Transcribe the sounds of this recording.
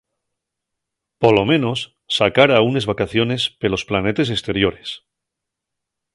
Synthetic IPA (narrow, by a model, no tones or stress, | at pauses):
polo̞mẽno̞sː | akaɾaunezβakaθjo̞ne̞spelo̞splane̞t̪es̬est̪e̞ɾjo̞ɾes